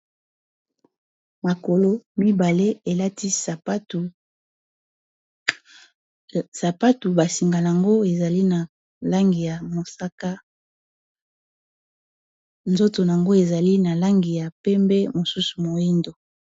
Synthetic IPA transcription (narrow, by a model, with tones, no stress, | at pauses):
ma˨ko˨lo˦mi˦ba˨le˦e˨la˦ti˦˨˦ | sa˨pa˦tu˨ba˨si˨ŋɡa˨la˨ŋɡo˦e˨za˨li˦na˨ | la˦ŋɡi˨ja˨mo˨sa˦ka˦ | nzo˦to˨na˨a˨ŋɡo˦e˨za˨li˦na˨la˦ŋɡi˨ja˨pɛ˦mbɛ˦mo˨su˦su˨mo˨i˦ndo˨